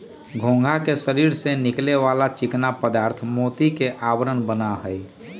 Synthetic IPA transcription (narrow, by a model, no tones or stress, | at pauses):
ɡʱõːŋɡʱakeʃəɾiːɾsenɪkleʋaːlat͡ʃɪknapəd̪aːɾt̪ʰmoːt̪ikeʔaːwəɾənbənaɦɛj